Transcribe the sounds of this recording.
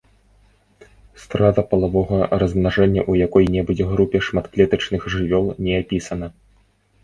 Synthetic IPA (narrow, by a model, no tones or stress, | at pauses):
st̪ɾad̪ɐpɐlˠavɔɣɐrɐzmnaʐɛnʲːɐʔujakɔjnʲɛbud͡zʲɛɣɾupʲɛʂmat̪klʲɛt̪ɐt͡ʂnɨxʐɨvʲɔlˠnʲɛapʲisɐnɐ